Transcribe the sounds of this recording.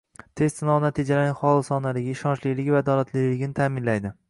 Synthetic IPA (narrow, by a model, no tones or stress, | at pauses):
t̪ʰe̞st̪sɪnɒwnat̪ʰid͡ʒalanɪχɒlˠɪsɒnalɪɡʲaɪʃɒnt͡ʃlɪjlɪɡʲvad̪ɒlat̪ʰlɪjlɪɡʲnɪt̪ʰaːmɪnlajd̪ɪ